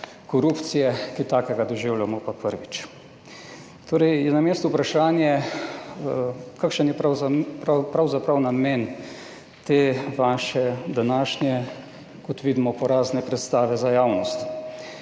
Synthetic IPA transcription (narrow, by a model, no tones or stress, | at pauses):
kɔɾuːpt̪sijɛkit̪aːkɛɡad̪ɔʒiwljamɔpapəɾʋit͡ʃ | t̪ʰoːɾɛjjɛnameːst̪ɔpɾaʃaːnjɛ | kakʃənjɛpɾapɾpɾawzapɾawnameːn | t̪eːʋaːʃɛd̪anaːʃnjɛ | kɔt̪ʋiːd̪imɔpɔɾaːznɛpɾɛt̪st̪aːʋɛzajaːwnɔst̪